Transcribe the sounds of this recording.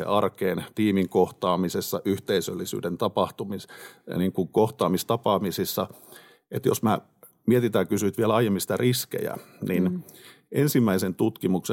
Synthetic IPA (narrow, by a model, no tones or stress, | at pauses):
ḛɑrkeːnt̪iːmiŋkoht̪ɑːmisesːɑʔyht̪eisølːisy̰ːdent̪ɑpɑht̪umisniŋkuŋkoht̪ɑːmist̪ɑpɑːmisisːɑ | et̪jo̰smæ | miet̪it̪ækysyit̪ʋielɑijemːinsĭ̥t̪æriskḛjæ̰nin | ʔensimːæisent̪ut̪kimukse